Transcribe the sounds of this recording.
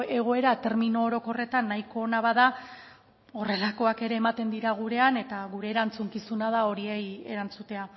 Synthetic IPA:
e̞ɣ̞o̞e̞ɾat̪e̞ɾminoːɾo̞ko̞re̞t̪anːaiko̞ːnaβaða | o̞re̞lako̞ake̞ɾe̞ːmat̪e̞nd̪iɾaɣ̞uɾe̞ane̞t̪aɣuɾe̞ːɾant͡suŋkisunað̞ao̞ɾie̞je̞̰ɾant͡sut̪e̞a

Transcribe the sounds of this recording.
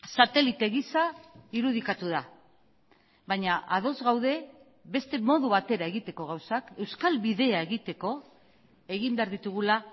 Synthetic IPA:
sat̪e̞lit̪eɣisaiɾuðikat̪uða | βaɲaʔað̞o̞zɣawðe̞ | βe̞st̪e̞mo̞ðuβat̪e̞ɾae̞ɣit̪e̞ko̞ɣ̞awsake̞wskalβiðe̞aeɣit̪e̞ko̞ | e̞ɣimbe̞aɾðit̪uɣula

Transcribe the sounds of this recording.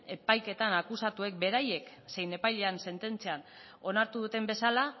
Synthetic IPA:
e̞pajke̞t̪anakusat̪ue̞k̚be̞ɾaje̞kse̞jne̞pajle̞anse̞nt̪e̞nt͡sean | o̞naɾt̪uðut̪e̞mbe̞sala

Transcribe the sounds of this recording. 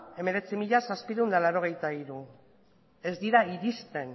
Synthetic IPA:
e̞me̞ɾe̞t͡simiʎasaspiɾuund̪alawɾo̞ɣ̞e̞jt̪aiɾu | e̞zd̪iɾaiɾist̪e̞n

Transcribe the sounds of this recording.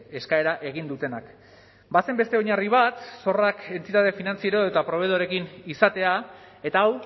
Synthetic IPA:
e̞skae̞ɾaʔe̞ɣ̞ind̪ut̪e̞nak | base̞mbe̞st̪e̞oɲariβ̞at̪so̞rake̞nt̪it̪aðe̞finant͡sieɾoet̪apɾo̞β̞e̞ð̞o̞ɾe̞kinisat̪e̞a | e̞t̪aːw

